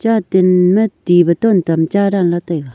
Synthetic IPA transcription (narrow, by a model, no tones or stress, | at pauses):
t͡ɕat̪enmət̪iβət̪ont̪amt͡ɕaɾaŋlat̪ajka